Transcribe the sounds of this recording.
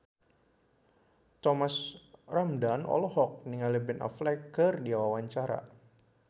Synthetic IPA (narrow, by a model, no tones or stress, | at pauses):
t̪ɔmasramdanɔ̰lɔhɔk̚niŋalibɛna̰flakərdiawawaɲt͡ʃaɾa̰